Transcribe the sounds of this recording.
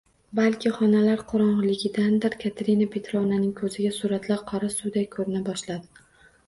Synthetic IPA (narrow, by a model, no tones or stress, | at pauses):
balkʲʰɪχɒnalaɾqʰʊɾɒɴʁlɪɡʲɪd̪and̪ɪɾkʲʰat̪ʰeɾinapʰe̞t̪ɾɒnanɪŋkʰɵzɪɡʲasuɾat̪laɾqʰɒɾasʊd̪ajkʰɵɾɪnabɒʃlad̪ɪ